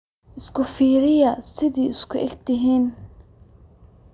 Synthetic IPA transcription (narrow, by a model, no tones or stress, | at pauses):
ʔɪskʰʊfiːɾɪjɐsɪðiːɪskʰʊʔɛɡt̪ɪɦiːn